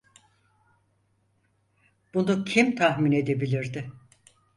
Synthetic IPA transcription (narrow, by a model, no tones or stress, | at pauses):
b̥unucʰimt̪ʰahmine̞d̪e̞bilʲiɾd̪ɪ